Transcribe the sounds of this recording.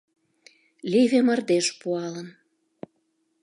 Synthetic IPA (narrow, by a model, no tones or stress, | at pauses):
livemɑrd̪eʃpuɑlən